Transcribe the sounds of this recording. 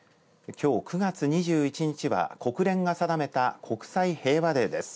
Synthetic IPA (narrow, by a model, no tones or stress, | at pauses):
kʲo̞ːkɯ̟ɡat͡sɨɲ̟iʑɨːit͡ɕiɲ̟it͡ɕiβa̰ko̞kɯ̟ɾẽ̞ŋɡasad̪ame̞t̪akʰo̞kɯ̟̥saihe̞ːβad̪e̞d̪e̞sɨ̥